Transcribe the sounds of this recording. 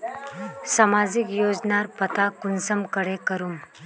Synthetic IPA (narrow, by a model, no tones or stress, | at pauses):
samaːd͡ʒɪkjoːd͡ʒnaɾpət̪akʊnsəmkəɽekəɾum